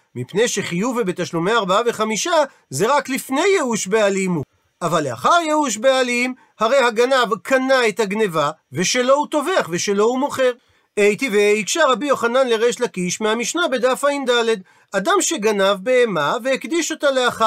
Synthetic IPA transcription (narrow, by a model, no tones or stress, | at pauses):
mipne̞jʃeχijuvebet̪aʃlumeaːʁbaave̞χamiʃa | ze̞ʁaklifne̞jːeuʃbealimhu | ʔavalea̰χaʁjeuʃ̬bealim | haʁe̞jhaɡanavkʰanaet̪haɡne̞vave̞ʃe̞lo̞hut̪o̞veaχve̞ʃe̞lo̞umo̞χe̞ʁ | ejt̪iveikʃaʁabijo̞χananle̞ʁeʃlakiʃmehamiʃnabe̞d̪afaimd̪ale̞d̪ | ad̪amʃe̞ɡanavbeːmaveekd̪iʃo̞t̪aleaχa